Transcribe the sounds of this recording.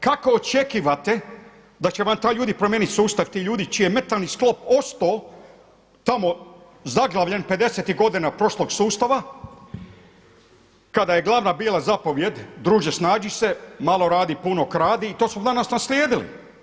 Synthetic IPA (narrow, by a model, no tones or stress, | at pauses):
kakoot͡ʃe̞kiʋat̪e̞ | d̪at͡ɕeʋamt̪aːjʎuːd̪ipɾomjeːnit̪suːst̪aʋt̪iːʎuːd̪it͡ʃijemet̪alnisklo̞po̞st̪oː | t̪amo̞ | zaɡlˠaʋʎenpe̞d̪e̞set̪iɦɡo̞d̪inapɾo̞ʃlˠo̞ɡsuːst̪aʋa | kad̪ajeɡlˠaʋnabiːlˠazapo̞ʋje̞d̪d̪ɾuːʒesnaːd͡ʒisemalo̞ɾaːd̪ipunokɾaːd̪iːt̪o̞ːsmod̪anasnaslʲjeːd̪ilḭ